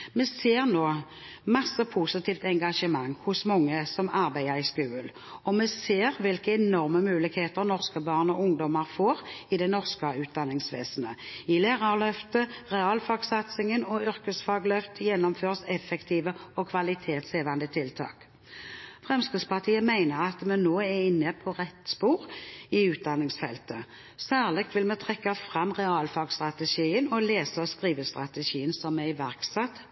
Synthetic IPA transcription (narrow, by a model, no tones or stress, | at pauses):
mɛseːʁnoː | mɑsːəpʰusɪt̪ʰiːft̪ɛŋɡɑʂəmɑŋːhʊsmɔŋːəsɔmɑʁbæɪəɾɪskʉːəl | ɔmɛseːʁʋɪlkəɛnɔʁməmʉːlɪkheːt̪əʁnɔʁskəbɑːʁnɔʊŋd̪ɔməʁfoːʁɪd̪ɛnɔʁskəʉːt̪̚d̪ɑnɪŋsʋḛːsənəɪleːʁɑʁlœft̪əʁɛɑːlfɑːɡsɑt̪sɪŋənɔʏʁkəsfɑːɡlœft̪əjɛnːɔmføːʁsɛfːɛkt̪ʰiːʋəɔkʰʋɑlɪt̪ʰeːt̪seːʋɑnd̪ət̪ʰɪlt̪ʰɑ̰ːk | fʁɛmskəspɑt̪ʰiːəmæɪnəʁɑt̪mɛnoːɛɪnːəpʰɔʁɛt̪spuːʁɪʉːt̪̚d̪ɑnːɪŋsfɛ̰lt̪ə | sæːʁlɛkt̪ʋɪlmɛt̪ʰʁɛkːɑfʁɑmʁɛɑːlfɑːɡst̪ʁɑt̪əʃiːənɔleːsəɔskʁiːʋəst̪ʁɑt̪əʃiːənsɔmæɪʋæʁksɛt̪ː